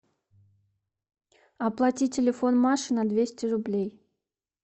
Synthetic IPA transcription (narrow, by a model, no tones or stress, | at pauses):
ɐplˠatʲitʲɪlʲɪfonmaʂɨnɐd̪vʲesʲtʲɪɾʊblʲej